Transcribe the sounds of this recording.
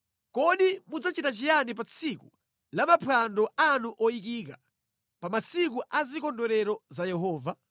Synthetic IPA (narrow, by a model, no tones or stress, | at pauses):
kɔɗimud͡zat͡ʃitat͡ʃijanipat͡sʰiku | lamapʰandɔanuʔɔik̬ik̬a̰ | pamasik̬uʔazikɔndɔɾɛɾɔzajɛɦɔːva